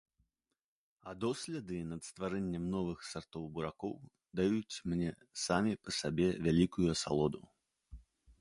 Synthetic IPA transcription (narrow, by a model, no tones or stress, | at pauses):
ad̪ɔsʲlʲɛd̪ɨnɐt̪st̪vaɾɛnʲːɛmnɔvɨxsart̪ɔwbuɾakɔw | d̪ajut͡sʲmnʲɛ | samʲipɐsabʲɛvʲalʲikujuɐsa̰lˠɔd̪u